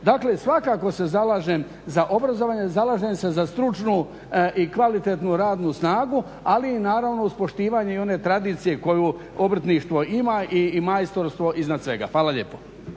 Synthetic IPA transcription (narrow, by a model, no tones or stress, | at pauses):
d̪akle̞sʋakaːko̞se̞zalˠaːʒem | zaʔobɾazoʋaːɲe̞zalaːʒemse̞zast̪ɾut͡ʃnu | ikʋalit̪e̞t̪nuɾaːd̪nusnaːɡu | aliːnaːɾaʋno̞uspo̞ʃt̪iːʋaɲeio̞ne̞t̪ɾad̪iːt̪sije̞ko̞ju | obr̩t̪niʃt̪ʋo̞imaʔimaest̪oɾst̪ʋo̞ʔiznad̪sʋe̞ɡa̰fʋaːlaʎe̞̰po̥